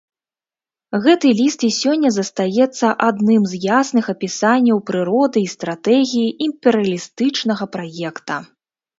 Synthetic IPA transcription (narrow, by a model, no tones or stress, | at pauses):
ɣɛt̪ɨlʲist̪isʲɔnʲːɐzɐst̪ajɛt̪sːɐʔad̪nɨmzjasnɨxɐpʲisanʲːɐwpɾɨɾɔd̪ɨist̪ɾat̪ɛɣʲijiʔimpʲɛɾɨɐlʲist̪ɨt͡ʂnɐɣɐpɾajɛkt̪ɐ